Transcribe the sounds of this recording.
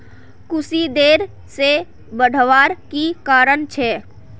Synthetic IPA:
kʊsid̪eːɾ | se | bəɽ̤ʱʋaɾkikaːɾənt͡ʃʰɛ

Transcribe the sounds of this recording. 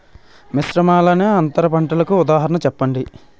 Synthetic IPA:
misɾɐmaːlɐneːɐnt̪ɐɾɐpɐɳʈɐlɐkuːd̪aːɦɐɾɐnɐt͡ʃɛpːɐɳɖi

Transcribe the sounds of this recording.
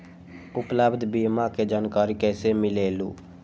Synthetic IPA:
ʊpləbd̪ʱbiːmaked͡ʒaːnkaːɾikɛːsemɪleːlṵː

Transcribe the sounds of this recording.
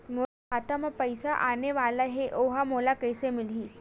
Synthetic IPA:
mo | at̪aməpəjsaʔaneʋalaɦeʔoɦamolakəjsemilɦiː

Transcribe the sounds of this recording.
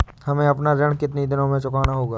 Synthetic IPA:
hɐmẽɐpnaɾɐɽ̃kɪt̪nid̪ɪnõmẽt͡ʃʊkaːnaɦoːɡaː

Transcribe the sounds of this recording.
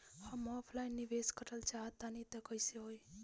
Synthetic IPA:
hãmɔpʰlajnːiʋeskəʈəlt͡ʃaɦt̪anit̪ekəiseɦoj

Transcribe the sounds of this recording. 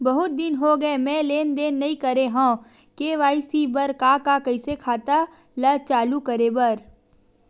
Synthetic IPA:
bɐɦʊt̪̚d̪ɪnɦoɡɐemɛ̃leːnd̪eːnːɐɦĩkɐɾeɦãː | keːʋaːisibɐɾkakakɐɪsekʰaːt̪a | lɐt͡ʃaːlukɐɾebɐɾ

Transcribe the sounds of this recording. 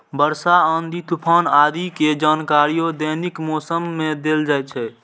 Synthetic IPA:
bəɾsaənd̪it̪upʰanad̪iked͡ʒankaɾijod̪ənikmɔsəmːed̪eld͡ʒaj̚t͡ʃʰɛ

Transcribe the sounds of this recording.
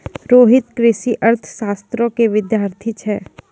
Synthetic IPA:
ɾoːɦɪt̪kɾɪʃiʔɐɾt̪ʰə̥ʃaːst̪ɾõkeʋɪd̪jaːɾt̪ʰit͡ʃʰɛː

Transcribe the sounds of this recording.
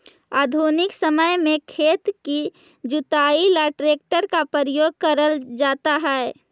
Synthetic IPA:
aːd̪ʱunɪksəməjmẽkʰeːt̪ki | d͡ʒʊt̪aːilaʈɾeːk̚ʈəɾkapəɾəjoːɡ̚kəɾəld͡ʒaːt̪aɦɛː

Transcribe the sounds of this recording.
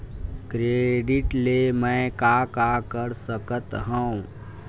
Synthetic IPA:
kɾeːɖɪʈlemɛ̃ːkakakəɾsəkət̪ɦəõ

